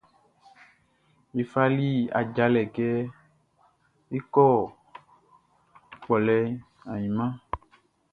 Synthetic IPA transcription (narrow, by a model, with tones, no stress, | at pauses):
je˨fa˦li˦a̰˨d͡ʒa˨lɛ˨kɛ˦ | e˦kɔ˦˨ | k͡pɔ˨lɛ˨ | ã˨ɲĩ˨mã˦